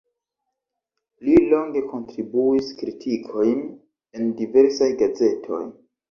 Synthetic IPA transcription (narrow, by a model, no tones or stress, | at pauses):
lilo̞ŋɡe̞ko̞ntɾibuiskɾitʰikʰo̞jn | e̞ndive̞ɾsajɡaze̞tʰo̞̰j